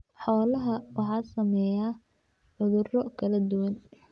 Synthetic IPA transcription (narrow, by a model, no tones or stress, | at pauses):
ħɔːlɐɦɐwɑħɑːsɐmɛjaː | ħʊðʊrɔkʰɐlɐd̪ʊwɐn